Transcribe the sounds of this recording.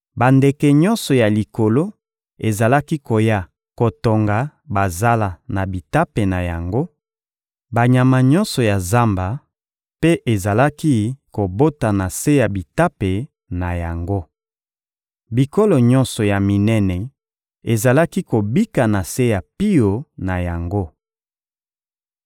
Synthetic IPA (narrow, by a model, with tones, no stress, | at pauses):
ba˨nde˨kɛ˨ɲɔ̃˦nsɔ˨ja˨li˨ko˨lo˦ | e˨za˨la˦ki˦ko˨ja˦ | ko˨to˨ŋɡa˨ba˨za˦la˨na˨bi˨ta˦pe˨na˨ja̰˨ŋɡo˦ | ba˨ɲa˨ma˨ɲɔ˦nsɔ˨ja˨za˦mba˨ | pe˦ʔe˨za˨la˦ki˦ko˨bo˦ta˨na˨se˦ja˨bi˨ta˦pe˨ | na˨ja˨ŋɡo˦ | bi˨ko˦lo˨ɲɔ̃˦nsɔ˨ja˨mi˨nɛ˦nɛ˨ | e˨za˨la˦ki˦ko˨bi˦ka˨na˨se˦ja˨pi˦jo˨na˨ja˨ŋɡo˦